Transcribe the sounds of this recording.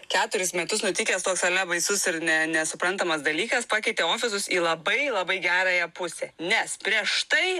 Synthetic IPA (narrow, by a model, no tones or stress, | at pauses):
kʲæːt̪ʊɾʲɪsmʲɛt̪ʊsnʊt̪ʲɪkʲɛːst̪oːksɐlʲɛbɐɪsʊsɪɾnʲɛnʲɛsʊpɾɐnt̪ɐmɐsd̪ɐlʲiːkɐspɑːkʲɛɪt̪ʲeːoːfʲɪs̬ʊsiːlˠɐbɐɪlˠɐbɐɪɡʲæːɾɑːjɛpʊsʲeːnʲɛspʲɾʲiɛʃt̪ɐɪ